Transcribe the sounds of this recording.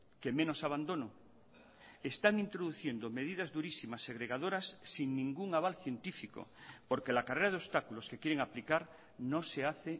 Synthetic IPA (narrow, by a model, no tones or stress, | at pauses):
kemẽnosaβ̞and̪o̞no | est̪aŋĩnt̪ɾoðuθje̞nd̪ome̞ðið̞azðuɾisimaseɣɾeɣaðoɾasːiŋnĩŋɡuŋaβ̞alθje̞nt̪ifiko̰poɾkelakareɾað̞eost̪akuloskekjeɾeŋaplikaɾ | noseaθe